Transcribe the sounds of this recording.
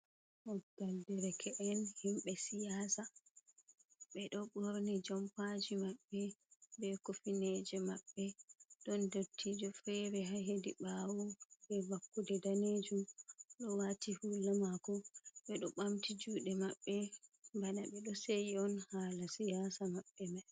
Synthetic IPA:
ʔɔɡaldɛɾɛkʰɛʔɛnhimɓɛsijaːsa | ɓɛɗɔɓoɾnid͡ʒampad͡ʒimaɓːɛbɛkofinɛd͡ʒɛmaɓːɛɗɔndotʰːid͡ʒɔfɾɛɾɛɦaɦedḭɓawubɛvakːudɛdaned͡ʒumɗɔwatihulamakɔɓɛɗɔɓamtid͡ʒuːɗɛmaɓːɛmbanaɓɛɗɔsejiɔnhaːlasijasamaɓːɛmaj

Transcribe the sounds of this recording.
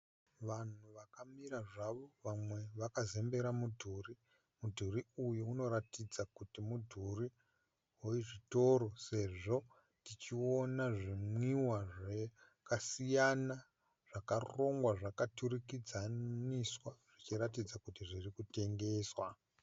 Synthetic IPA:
ʋan̤uʋakamiɾaʐaʋo̞ʋamwe̞ʋakaze̞mbe̞ɾamudʱuri | mudʱuriujuuno̞ɾatid͡zakutimudʱuri | ɦoiʐito̞ɾo̞se̞ʐo̞ | tit͡ʃionaʐimwiwaʐe | kasijana | ʐ̥akaro̞ŋɡwaʐakaturikid͡zaniswaʐ̥it͡ʃiɾatid͡zakutiʐirikute̞ŋɡe̞ːswa

